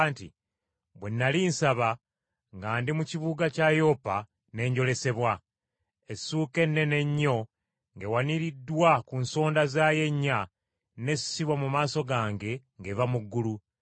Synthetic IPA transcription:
ntḭ | bwenːalinsaβa | ŋɡaːndimuciβuɡacajo̞ːpa | ne̞ːɲɟo̞le̞se̞βwa | esuːke̞nːe̞ne̞ɲːo̞ | ŋɡe̞waniɾidːwakunso̞ːndazaːje̞ɲːa | ne̞ssiβwamumaːso̞ɡaːŋɡe̞ | ŋɡe̞vamuɡːulu

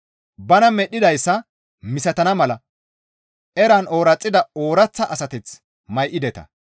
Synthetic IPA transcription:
bɐnɐmɛɗːɪd̪ɐjsːɐ | mɪsɐt̪ɐnɐmɐlɐ | ɛɾɐno̞ːɾɐt͡sʼːɪd̪ɐoːɾɐt͡sːɐʔɐsɐt̪ɛt͡s | mɐjʔɪd̪ɛt̪ɐ̰

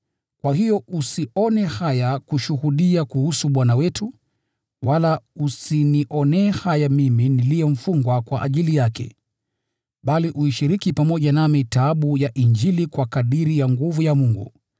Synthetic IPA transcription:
kwahijɔusiʔɔnɛhajakuʃuhuɗiakuhusuɓwanawɛtu | walausiniʔɔnɛhajamiminilijɔm̩fuŋɡwakwa̰ʔaʄilijakʰɛ̰ | ɓaliʔuiʃiɾikipamɔʄanamitaːɓujaʔiɲd͡ʒilikwakaɗiɾijaŋɡuvujamuŋɡṵ

